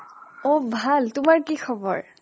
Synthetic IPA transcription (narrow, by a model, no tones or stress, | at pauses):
obʱaltʊmaɹkikʰɔbɔ̰ɹ